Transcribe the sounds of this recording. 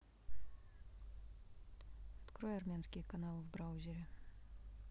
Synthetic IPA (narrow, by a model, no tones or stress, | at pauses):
ɐt̪kɾojɐrmʲanskʲɪjəkɐnalˠɨvbɾawzʲɪɾʲɪ